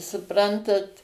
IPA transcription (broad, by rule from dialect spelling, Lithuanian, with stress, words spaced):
sʊˈprɐntɐt